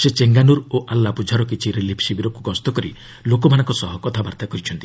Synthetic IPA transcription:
set͡ʃeŋɡanuɾoʔalːapud͡ʒʱaɾɔkit͡ʃʰiɾelipʰsibiɾɔkukɔst̪ɔkɔɾi | lokɔbʱaɽ̃aŋkɔsɔɦɔkɔt̪ʰabaɾt̪akɔɾit͡ʃʰɔnt̪i̥

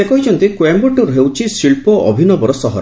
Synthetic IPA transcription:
sekɔɦit͡ʃɔnt̪ikwembuʈuɾɦewt͡ʃʰisiɭpɔʔɔ̰bʱinɔbɔɾɔsɔɦɔɾ

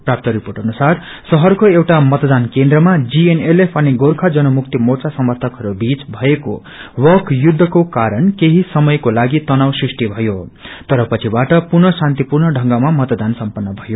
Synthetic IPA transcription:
prap̚t̪ʌɾiporʈʌnusar | sʌɦʌrkoewʈamʌt̪d̪ankend̪rʌmad͡zienelepʰʌneɡorkʰad͡zʌnʌmuk̚t̪imort͡sasʌmʌrt̪ʰʌkɦʌɾubit͡sbʱʌeko̰ | wʌkʰjud̪ʱːʌkokaɾʌnkeɦisʌmʌjkolaɡit̪ʌnawsrisʈibʱʌjot̪ʌɾʌpʌt͡sʰibaʈʌpurnʌsant̪ipurnʌɖʱʌŋɡamamʌt̪d̪ansʌmpʌnːʌbʱʌjo

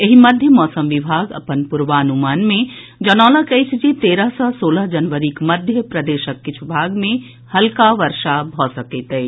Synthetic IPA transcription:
jeɦimɐd̪ʱjəmɔːsəmʋɪbʱaːɡɐ̰pənpʊɾʋaːnumaːnmẽ | d͡ʒɐnɔːlakɐjt͡ʃd͡ʒit̪eːɾəɦsɔsoːləɦd͡ʒɐnʋəɾikmɐd̪ʱjəpɾɐd̪eːʃəkːɪt͡ʃʰubʱaːɡmẽ | hɐlkaʋɐɾʃabʱɔːsɐket̪ɐi

